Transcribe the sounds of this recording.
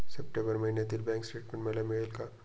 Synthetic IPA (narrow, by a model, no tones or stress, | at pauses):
sepʈẽbəɾmɐɦined̪ɪlbɛ̃ːŋksʈeːʈmẽɳʈmelemelka